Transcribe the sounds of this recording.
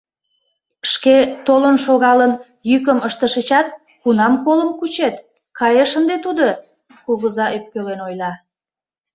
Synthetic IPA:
ʃket̪olənʃoɣɑlən | jykəməʃt̪əʃət͡ɕɑt̪̚ | kunɑmkoləmkut͡ɕet̪ | kɑjeʃənd̪et̪ud̪o | koɣəzɑʔøp̚kølenojlɑ

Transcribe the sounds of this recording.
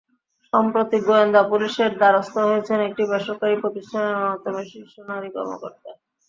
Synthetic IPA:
ʃɔmpɾot̪iɡoend̪apuliʃeɾd̪aɾost̪oɦojet͡ɕʰenek̚ʈibɛʃoɾkaɾipɾot̪iʃʈʰaneɾmat̪omeʃiʃonaɾikɔ̰ɾmo̰ko̰ɾt̪a

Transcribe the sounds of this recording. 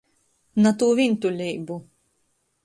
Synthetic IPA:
nat̪uːvint̪ulʲiːbu

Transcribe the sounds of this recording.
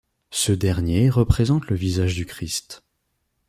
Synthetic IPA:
səd̪ɛʁnjeʁəpχezɑ̃t̪ləvizaʒd̪ykχist̪

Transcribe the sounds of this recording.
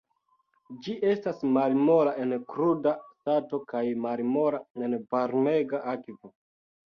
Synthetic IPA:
d͡ʒiʔe̞stasmalmo̞laenkɾudastato̞kajmalmo̞lae̞nvaɾme̞ɡaʔakvo

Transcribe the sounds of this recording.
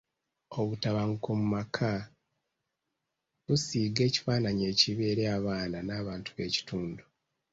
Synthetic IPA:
o̞βutaβaŋkomumakʰa | βusiːɡe̞ːci̥faːnaɲe̞ːciβe̞ːɾeaβaːnanaːβaːntu̥βe̞̰ːci̥tuːndu

